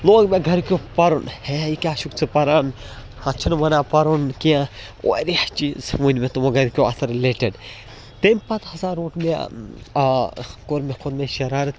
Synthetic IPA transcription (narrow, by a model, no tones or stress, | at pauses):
loːɡmeɡʱɐɾkʲjopɐɾunheikʲaːʃukt͡sʰɨpɐɾan | hɐ̃t͡ʃʰunʋɐnaːpɐɾunkiã | o̰ɾiht͡ʃizʋunʲmet̪omoɡɐɾkʲoɐsɐɾleʈeɖ | t̪empɐt̪hɐzaːɾoːʈme | koɾmexʰod̪mẽʃɐɾaːɾɐt̪